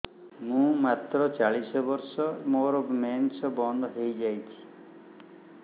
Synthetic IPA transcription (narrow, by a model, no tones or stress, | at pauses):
mũmat̪ɾɔt͡ʃaɭisɔbɔɾsɔmoɾɔbmensɔbɔnd̪ɦejd͡ʒajt͡ʃʰi̥